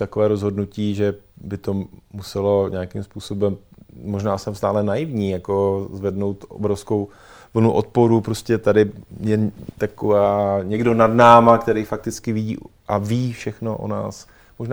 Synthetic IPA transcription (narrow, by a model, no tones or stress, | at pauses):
t̪akovɛːɾozɦo̞dnuciːʒɛbɪt̪omusɛlo̞ɲeakɪmspuːso̞bɛmmoʒnaːsɛmst̪aːlɛnajɪvɲiːjako̞zvɛdno̞wt̪ʔo̰bɾofskow | vl̩nuʔot̪̚poɾupɾoscɛt̪adɪjɛt̪akovaːɲɛɡdo̞nadnaːmakt̪ɛɾijfak̚t̪ɪt͡skɪvɪḭːʔaviːfʃɛxnoʔo̰na̰ːs | moʒna